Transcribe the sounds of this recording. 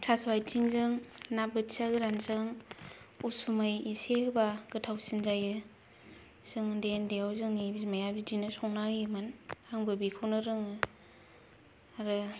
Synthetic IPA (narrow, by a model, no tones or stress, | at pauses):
tʰasbajtʰiŋzɯŋnabɯtsaɡɯɾanzɯŋ | usumɯjisebaɡ̥ɯtʰawsinzajɯ | sɯŋɯdendejawzɯŋnibimajabidinɯsɔŋnaimanaŋbɯbikʰɯwnɯɾɯŋɯ | aɾɯ